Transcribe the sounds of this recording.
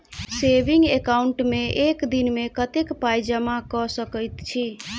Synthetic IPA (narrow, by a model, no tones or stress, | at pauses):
sebiŋɡekauɳʈmeʔekd̪inmekət̪ekpajd͡ʒəmakɔsəkəjt̪t͡ʃʰi